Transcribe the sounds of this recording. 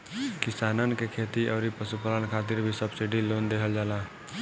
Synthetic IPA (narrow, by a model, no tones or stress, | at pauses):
kɪsaːnənkekʰeːt̪iʔɔːɾipəsupələnkʰaːt̪ɪɾbʱisəbsɪɖiloːnd̪eːɦʰəld͡ʒaːlaː